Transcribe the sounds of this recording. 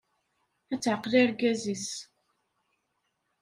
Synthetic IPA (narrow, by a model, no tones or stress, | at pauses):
æt͡sːʕəqːliɾɡæzis